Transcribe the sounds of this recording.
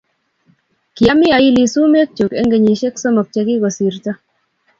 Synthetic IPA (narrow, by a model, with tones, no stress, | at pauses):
ki˨a˦mi˦a˨i˦li˨su˦me˦k̚t͡ʃu˨kɛ˦ŋɡe˨ɲe˨ʃe˦ksɔ˦mɔ˨k̚t͡ʃɛ˦kɪ˦kɔ˨si˨ɾta˦